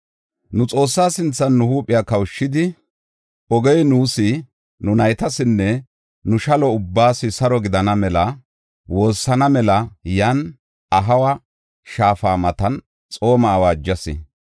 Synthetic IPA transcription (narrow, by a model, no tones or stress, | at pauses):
nʊt͡sʼo̞ːsːaːsɪnt͡sːɐnːʊhuːpʼːɪjaːkɐwʃːɪd̪ɪ | ɔɡɛjnuːsɪ | nʊnɐjt̪ɐsɪnːɛ | nʊʃɐlɔʊbːaːsɪsɐɾɔɡɪd̪ɐnɐmɛlɐ | wo̞ːsːɐnɐmɛlɐjɐn | ɐɦɐwɐ | ʃaːfaːmɐt̪ɐn | t͡sʼo̞ːmɐːwaːd͡ʒːɐsɪ̰